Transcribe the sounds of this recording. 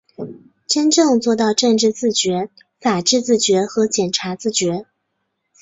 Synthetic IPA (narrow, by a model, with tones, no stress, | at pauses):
ʈ͡ʂə˥nʈ͡ʂɤ˥˧ŋt͡swɔ˥˧t̪ɑ˥˧ʊʈ͡ʂɤ˥˧ŋʈ͡ʂɻ̩˥˧t͡sɹ̩˥˩t͡ɕɥɛ˧˥ | fa˨˩ʈ͡ʂɻ̩˥˧t͡sɹ̩˥˩t͡ɕɥɛ˧˥xɤ˧˥t͡ɕjɛ˨˩nʈ͡ʂʰa˧˥t͡sɹ̩˥˩t͡ɕɥɛ˧˥